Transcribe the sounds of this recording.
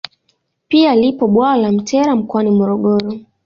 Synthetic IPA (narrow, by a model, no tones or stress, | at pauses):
pialipɔɓwaːlam̩tʰɛɾam̩kwanimɔɾɔɠɔɾɔ